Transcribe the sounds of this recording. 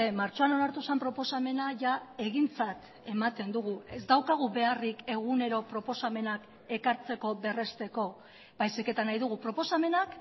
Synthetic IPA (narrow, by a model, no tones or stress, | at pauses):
emaɾt͡ʃo̞ano̞naɾt̪usampɾo̞po̞same̞naʝae̞ɣ̞int͡sat̪ | e̞mat̪e̞nd̪uɣuezd̪awkaɣ̞uβe̞arike̞ɣ̞une̞ɾo̞pɾo̞po̞same̞nak | e̞kaɾt͡se̞ko̞βe̞re̞st̪e̞ko̞ | bajsike̞t̪anajðuɣ̞upɾo̞po̞same̞nak